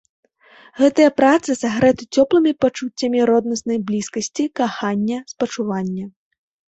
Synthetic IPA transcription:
ɣɛt̪ɨjɐpɾat̪sɨsaɣɾɛt̪ɨt͡sʲɔplˠɨmʲipat͡ʂut͡sʲːɐmʲiɾɔd̪nɐsnɐjblʲiskɐsʲt͡sʲikaxanʲːɐspɐt͡ʂuvanʲːɐ

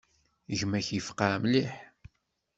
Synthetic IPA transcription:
ʝmæçjəfqamliħ

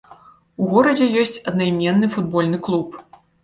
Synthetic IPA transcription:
uɣɔɾɐd͡zʲɛjɔsʲt͡sʲɐd̪̚nɐjmʲɛnːɨfud̪̚bɔlʲnɨklˠup

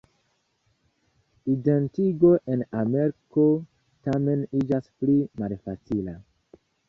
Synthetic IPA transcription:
ide̞ntiɡo̞ʔe̞name̞ɾko | tame̞nid͡ʒasplimalfat͡sila

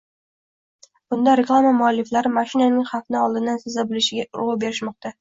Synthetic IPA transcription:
b̥ʊnd̪aɾe̞klˠamamʊalːɪflaɾɪmaʃɪnanɪŋχɑfnɪɒlˠd̪ɪnd̪ansɪzabɪlɪʃɪɡʲaɾʊwabe̞ɾɪʃmɒqt̪ʰa

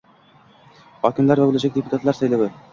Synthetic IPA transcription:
χɒkʲimlæɾvæbɘ̆læʃækdʲeput̪at̪lˠɑɾsæjlæβɘ

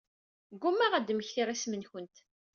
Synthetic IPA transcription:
ɡːumːæʁæd̪məçθiʁæsmənçənt̪

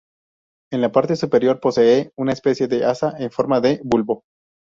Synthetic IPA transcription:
e̞nlapaɾt̪e̞supe̞ɾjo̞ɾpo̞seeunaespe̞sje̞ðe̞ʔasaʔeɱfo̞ɾmaðe̞bulβo̞

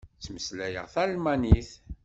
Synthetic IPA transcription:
t͡sːməslæjə̰ʁθælmæniθ

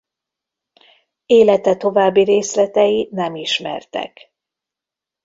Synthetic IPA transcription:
eːlɛt̪ɛt̪o̞vaːbːiɾeːslɛt̪ɛjinɛmiʃmɛ̰rt̪ɛ̰k

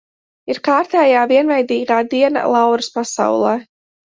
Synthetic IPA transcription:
iɾkaːɾt̪ɛːjaːviɛnvajd̪iːɡaːd̪iɛna̰lˠawɾɨspasa̰wlˠɛː

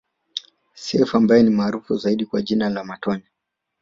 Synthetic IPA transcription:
sɛfuambajɛnimaːɾufuzaiɗikwaʄinalamatɔni

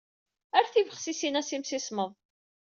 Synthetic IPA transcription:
æɾθivəχsisinæsimsisməðˤ

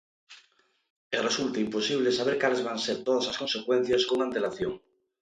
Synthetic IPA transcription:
eresult̪aimposiβ̞lesaβeɾkalezβanseɾt̪oðaslasko̞nsekwẽn̟θjaskoŋãnt̪elaθjoŋ

